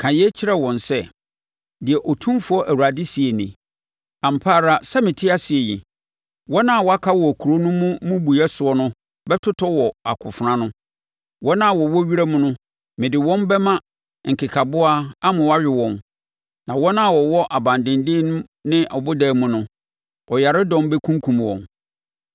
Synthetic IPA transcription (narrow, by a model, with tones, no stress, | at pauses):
kʰã˨jɛ˦t͡ɕʰɪ˦ɾɛ˦˨wɔ̃˨nsɛ˦ | dɪ˨ɛ˨ʔɔ˨tʰũ˦mfʊ˦ɔ˦ʔæ˨wu˨a˨dɪ˦si˨e˨nɪ̰̃˨ | a˨m̩˨pʰaː˦˨ɾa˦sa˦mɪ̃˨tʰɪ˦a˦si˨e˨jḭ˨ | wɔ˦nã˦˨wɔ˨˦a˦kʰa˦wɔ˨kʰu˨ɾo˦nʊ̃˦mʊ̃˦mũ˦bu˨ɛ˦sʊ˨˦ɔ˦nʊ̃˦ | bɛ˦tʰʊ˦tʰɔ˦wɔ˨a̰˨kʰʊ̰˨fʊ˨ɾã˦nʊ̃˦ | wɔ̃˦nã˦˨wɔ˨wɔ˦ɥi˦ɾa˦mʊ̃˦nʊ̃˦ | mɪ̃˨dɪ˨wɔ̃˦nbɛ˦mã˦ | ŋ̩˨kʰɪ˨kʰa˨bʊ˦a˦a˦mã˨wɔ˦a˦ɥᶣɪ˨wɔ̃˨n | nã˨wɔ̃˦nã˦˨wɔ˨wɔ˦ʔa˨bã˨ndɪ̃˨ndɪ˦ñ˦ | nɪ̃˦ʔɔ˨bʊ˦dæː˦mʊ̃˨nʊ̃˦ | ɔ˨ja˨ɾɪ˦dɔ̃˦mbɛ˦kʰũ˦ŋ˦kʰũ˨m˨wɔ̃˨n